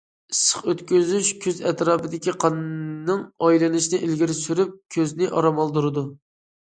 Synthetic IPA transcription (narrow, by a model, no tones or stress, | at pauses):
ɨsə̥χøt̪kʲyzyʃkʲʰøzɛt̪ɾɑːpʰɨd̪ɪkʲiqʰɑnnɨŋɑjlɨnɪʃnɪʔilɡʲiɾɪsyɾyp̚kʲʰøznɪʔɑɾɑmɑlˠd̪uɾɨd̪u